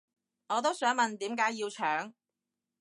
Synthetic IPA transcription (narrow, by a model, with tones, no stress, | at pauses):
ŋɔː˨˧t̪o˥wsœː˨˥ŋmɐ˨nt̪iː˨˥mkaː˨˥ji˧wt͡ʃʰœː˨˥ŋ